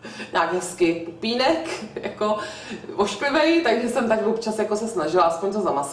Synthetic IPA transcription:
ɲaːɡɦɛskɪpupiːnɛkjakovoʃklɪvɛjt̪aɡʒɛsɛmt̪aklopt͡ʃasjakosɛsnaʒɪlaʔaspoɲt̪ozamas

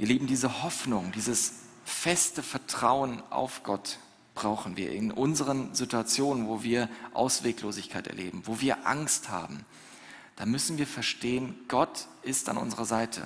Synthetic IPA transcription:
viːɐliːbm̩diːzəhɔfnʊŋdiːzəs | fɛstəfɛɐtʁ̥aʊənʔa̰ʊfɡ̥ɔt | b̥ʁaʊxn̩viːɐʔɪnʔʊnzəʁənzituat͡sjoːnənvoːviːɐʔa̰ʊsv̥eːkloːzɪçkʰaɪtɛ̰ɐlḛːbm̩voːviːɐʔa̰ŋstha̰ːbm̩ | d̥aːmʏsn̩viːɐfɛɐʃteːənɡ̥ɔt | ɪsta̰nʔʊ̰nzəʁɐzaɪtʰə̰

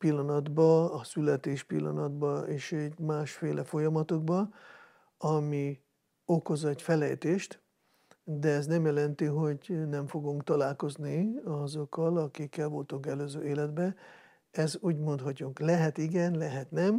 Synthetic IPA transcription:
pilːɒnɒd̪bɒɒsylɛt̪eːʃpilːɒ̰nɒd̪bɒeːʃɛɟmaːʃfeːlʔɛfo̞jɒmɒt̪oɡbɒ | ɒmi | oko̞zɛcfɛlɛjt̪eːʃt̪ | d̪ɛɛznɛmjɛlɛnt̪iɦo̞ɟnɛɱfo̞ɡuŋkt̪ɒlaːlko̞zniɒzokːɒlɒkikːɛlvo̞lt̪o̞kɛløːzøːeːlɛd̪bɛ | ɛzuːɟmo̞nt̪hɒcuŋklɛɦɛt̪iɡɛnlɛɦɛt̪nɛm

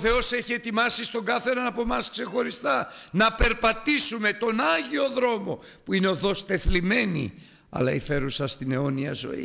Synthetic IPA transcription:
θe̞o̞se̞çie̞t̪imɐsist̪o̞ŋɡɐθenɐnɐpo̞mɐskse̞xo̞ɾist̪ɐnɐpe̞ɾpɐt̪isume̞t̪o̞nɐʝio̞ðɾo̞mo̞puineo̞ðo̞st̪e̞θlime̞nḭ | ɐ̰lɐife̞ɾusɐst̪ineo̞niɐ̰zo̞̰ḭ

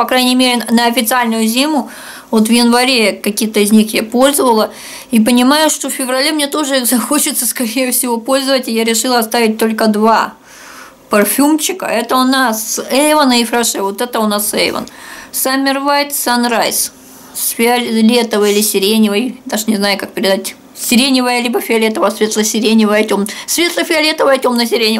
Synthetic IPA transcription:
pɐkɾajnʲɪmʲeɾʲɪnəɐfʲɪt̪sɨalʲnʊjʊzʲimʊ | vo̞t̪vjɪnvɐɾʲekɐkʲit̪əɪzʲnʲixjapo̞lʲzəvəlˠə | ip̬ənʲɪmajʊʂt̪ofʲfʲɪvrɐlʲemnʲe̞t̪o̞ʐɨzɐxo̞t͡ɕɪt̪səskɐɾʲejʊfsʲɪvo̞po̞lʲzəvətʲɪjaɾʲɪʂɨlˠəɐst̪avʲɪt̚ʲt̪o̞lʲkəd̪va | pɐrfʲumt͡ɕːɪkə̰ɛt̪əʊnasɛvənəɪfɾaʂɛvot̪ɛt̪əʊnasɛ̰j̰və̰nsamʲːɪrvajt̪sanrajs | sfʲɪɐlʲet̪əvɨɪlʲɪsʲɪɾʲenʲɪvəjd̪aʐɨnʲɪznajʊkak̚pʲɪɾʲɪd̪atʲ | sʲɪɾʲenʲɪvəjəlʲibəfʲɪɐlʲet̪əvəjəsvʲet̪lˠəsʲɪɾʲenʲɪvəjətʲomsvʲe̞t̪lˠəfʲɪɐlʲet̪əvəjətʲo̞mnəsʲɪɾʲenʲɪ

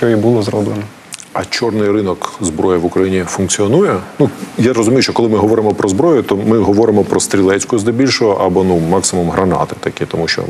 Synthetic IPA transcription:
ʃt͡ʃɔjibulˠɔzɾɔblˠenɔ | ɐt͡ʃɔrnɪjrɪnɔkzbɾɔjɛʋʊkɾɐjinʲifʊnkt͡sʲiɔnujɛnujaɾɔzʊmʲijʊʃt͡ʃɔkɔlˠɪmɪɦɔʋɔɾɪmɔpɾɔzbɾɔjʊt̪ɔmɪɦɔʋɔɾɪmɔpɾɔst̪ɾʲilˠɛt͡sʲkʊzd̪ɪbʲilʲʃɔɦɔʔɐbɔnumɑksɪmumɦɾɐnɑ̰t̪ɪ̥t̪ɐkʲit̪ɔmuʃt͡ʃɔ̰

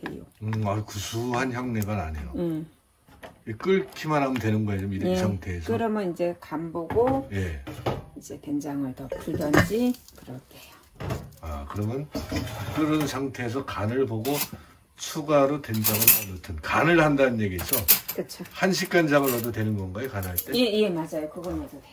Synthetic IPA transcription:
tḛjo̰ɯakusʰuɦançjʌŋne̞ɡana̰ne̞̰jo | ek͈ɯɭkʰimanɦamʌntwe̞nɯnɡʌjad͡ʑomiɾɯnsʰaŋtʰe̞ːsʰʌɯɾʌmjʌnid͡ʑe̞kamboɡoje̞id͡ʑe̞te̞nd͡ʑaŋɯɭtʌpʰudʌnd͡ʑikɯɾʌtʰejo | a̰kɯɾʌmjʌnk͈ɯɾɯnsʰaŋtʰe̞ːsʰʌkanɯɭpoɡo | t͡ɕʰuɡaɾote̞nd͡ʑaŋɯɭʌnotʰɯnkanɯɭhandanɯnje̞ɡiesʰʌkɯt͡ɕʰohanɕʰik͈̚and͡ʑaŋɯɭːʌdotwe̞nɯnɡʌnɡaekanɦaɭt͈e̞eje̞mad͡ʑajokɯɡʌnesʰʌe

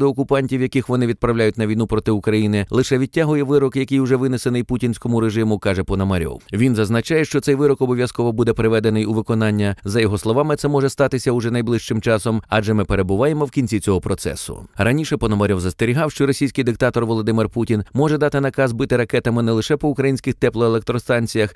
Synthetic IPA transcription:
d̪ɔːkʊpɑnʲtʲiwjɐkixʋɔnɪʋʲid̪̚pɾɐwlʲajʊtʲnɐʋʲijnupɾɔt̪ɪʊkɾɐjinɪlˠɪʃɛʋʲid̚ʲtʲːaɦʊjɛʋɪɾɔkjɐkʲɪjʊʐɛʋɪnesenɪjputʲinʲsʲkɔmʊɾeʐɪmʊkɑʐɛpɔnɔmɐɾʲɔ̰wʋʲinzɐznɐt͡ʃajɛʃt͡ʃɔt̪sɛjʋɪɾɔkɔbɔʋʲjɐskɔʋɐbud̪ɛpɾɪʋɛd̪enɪjuʋɪkɔnɑnʲːɐzɐjɔɦɔslˠɔʋɑmɪt̪sɛmɔʐɛst̪ɑt̪ɪsʲɐʊʐɛnɐjblˠɪʃt͡ʃɪmt͡ʃɑsɔmɑd͡ʒɛmɪpeɾebʊʋɑjemɔwkʲinʲt͡sʲit͡sʲɔɦɔpɾɔt̪sɛ̰sʊ̰rɐnʲiʃɛpɔnɔmɐɾʲɔwzɐst̪eɾʲiɦɑwʃt͡ʃɔɾɔsʲijsʲkɪjd̪ɪk̚t̪ɑt̪ɔrʋɔlˠɔd̪ɪmɪrputʲinmɔʐɛd̪ɑt̪ɪnɐkɑzbɪt̪ɪɾɐkɛt̪ɐmɪnɛlˠɪʃɛpɔʊkɾɐjinʲsʲkɪxt̪ɛplˠɔelˠek̚t̪ɾɔst̪ɑnʲt͡sʲijɐx

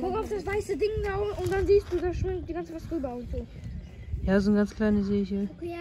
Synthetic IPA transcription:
kʰɔaʊfd̥asv̥aɪsədɪŋdaʊfʊnd̥anziːstd̥uːdaʃmɪŋ̚d̥iːɡant͡səvasʁyːbɐʊntz̥oː | jaːzonɡanskʰl̥aɪnəzeːçəkʰ

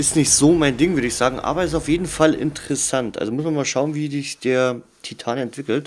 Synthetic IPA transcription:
ʔɪstnɪçtz̥oːmaɪndɪŋvʏɐɾəɪçz̥aːɡŋ̩ʔa̰ːbɐɛs̬aʊfjeːdn̩falʔɪ̰ntʰəʁɛsantʔa̰lzomʊsmanmaːlʃaʊnviːzɪçd̥eːɐ | tʰitʰaːnɛntv̥ɪkl̩t

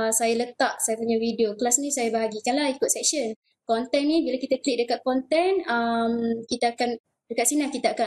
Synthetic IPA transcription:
sajalət̪aʔsajapuɲawidioklasnĩsajabaɦaɡikanlahikʊt̪̚sɛk̚ʃən | kɔnt̪ɛnnibilakit̪akliʔ̚dəkat̪̚kɔnt̪ɛnəmkit̪aakan | dəkat̪̚sinahkit̪aaka

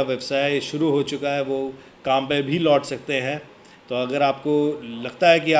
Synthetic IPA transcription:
aʋɛbsaːɪʃʊɾuɦot͡ʃʊkaɦɛʋo | kãːmpẽbʱilɔːʈsɐk̚t̪eɦɛ̃ | t̪oɐɡəɾaːpkolɐɡt̪aɦɛkiaː

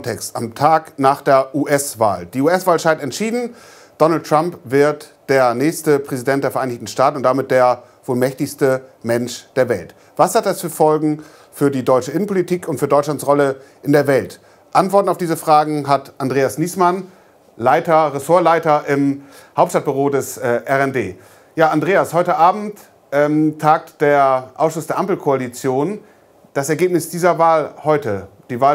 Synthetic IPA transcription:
tʰɛkstamtʰaːknaːχd̥eːɐʔuːʔɛsv̥a̰ːld̥iːuːɛsv̥aːlʃaɪtɛntʃiːdn̩ | d̥ɔnal̩t̚ʁ̥ampv̥ɪɐtd̥eːɐnɛːçstəpʁ̥ɛzidɛntd̥eːɐfɛɐʔaɪnɪçtn̩ʃtaːtn̩ʊntd̥amɪt̚d̥eːɐ | voːlmɛçtɪçstəmɛnʃd̥eːɐvɛlt | v̥ashat̚d̥asfyːɐfɔlɡŋ̩ | fyːɐdiːdɔʏt͡ʃəʔɪnən̩pʰolitʰiːkʊntfyːdɔʏt͡ʃlantsʁɔlə | ʔɪndeːɐvɛlt | ʔantv̥ɔɐtn̩aʊfd̥iːzəfʁ̥aːɡŋ̩ɦatʔandʁeːasniːsman | laɪtɐʁesoːɐlaɪtɐʔɪm | haʊp̚tʃtat̚b̥yʁoːdɛsʔɛːʔɛʁɛndeː | jaːandʁeːashɔʏtəʔaːbm̩t | ʔɛmtʰːaːk̚td̥eːɐʔa̰ʊsʃʊsd̥eːɐʔampl̩kʰoalit͡sjoːn | d̥asɛɐɡeːpnɪsd̥iːzɐvaːlhɔʏtəd̥iːvaː

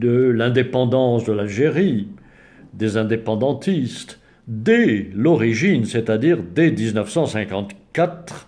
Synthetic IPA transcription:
d̪əlɛ̃d̪epɑ̃d̪ɑ̃sd̪əlalʒeʁi | d̪ezɛ̃d̪epɑ̃d̪ɑ̃t̪ist̪ | d̪elɔʁiʒinset̪ad̪iʁd̪ed̪iznəfsɑ̃sɛ̃kɑ̃t̪kat̪χ

